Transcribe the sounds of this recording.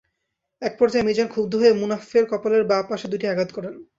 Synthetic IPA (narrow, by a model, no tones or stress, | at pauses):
ɛk̚pɔɾd͡ʑaemid͡ʑankʰubd̪ʱoɦoemunafeɾkɔpoleɾbapaʃed̪ujʈiaɡad̪kɔɾen